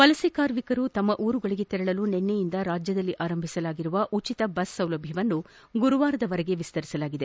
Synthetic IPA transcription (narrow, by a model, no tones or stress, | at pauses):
pɐlɐsikaːɾmikɐɾut̪ɐmːɐʔuːɾuɡɐɭiɡe̞t̪iɾɐɭɐlunɛnːejind̪ɐɾaːd͡ʒjɐd̪ɐlːiʔaːɾɐmbʱisɐlaːɡiɾuʋɐʔut͡ʃit̪ɐbɐsːɐwlɐbʱjɐʋɐnːu | ɡuɾuʋaːɾɐd̪ɐʋɐɾɛɡe̞ʋist̪ɐɾisɐlaːɡid̪e̞